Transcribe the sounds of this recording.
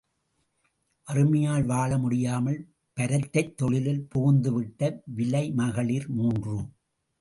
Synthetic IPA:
ʔɐrɯmɐjaːɭʋaːɭɐmʊɽɪjaːmɐɭ | pɐɾɐt̪ːɐɪt̪ːɔɭɪlɪlpuːɣʊnd̪ɯʋɪʈːɐʋɪlɐɪmɐɣɐɭiɾmuːndrɯ

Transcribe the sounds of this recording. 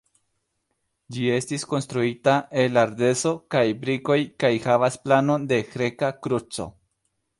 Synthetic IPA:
d͡ʒie̞stisko̞nstɾuitaʔe̞laɾde̞so̞kajbɾiko̞jkajhavasplano̞nde̞xɾe̞kakɾut͡so̞̰

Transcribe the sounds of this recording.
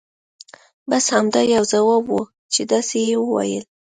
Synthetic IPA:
bashamd̪ɑjawzawabwu | t͡ʃed̪asejewəwa̰jə̰l

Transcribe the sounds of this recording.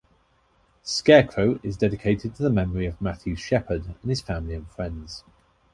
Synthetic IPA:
skɛːkʰɹ̥əʊʔɪzdɛdɪkʰeɪtʰɪd̚tʰəðəmɛməɹiəvmaθjʉ̥ʃɛpʰədə̃nɪz̥fãmliə̃nfɹɛ̃ndz̥

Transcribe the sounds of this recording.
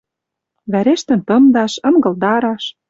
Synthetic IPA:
βæɾeʃt̪ɘ̆nt̪ɤ̆md̪ɑʃɤ̆ŋɡɤ̆ld̪ɑɾɑʃ

